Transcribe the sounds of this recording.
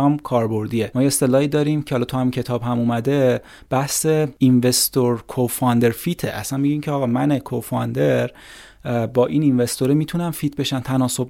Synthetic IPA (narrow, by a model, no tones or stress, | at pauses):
ɒmkʰɒːɾbo̞ɾd̪iːemɒːjeest̪elɒːiːd̪ɒːɾimcʰeɒlɒːt̪ʰohæmincʰet̪ʰɒːbhæmuːmæd̪e̞ | b̥æhse̞invest̪oɾkʰofɒnd̪eɾfit̪ʰeʔæ̰sænmiɟiːmcʰeɒːɣɒːmænekʰofɒnd̪e̞ɾ | bɒːʔiːninve̞st̪oɾemiːt̪ʰunænfiːt̪ʰbe̞ʃænt̪ʰænɒːso̞b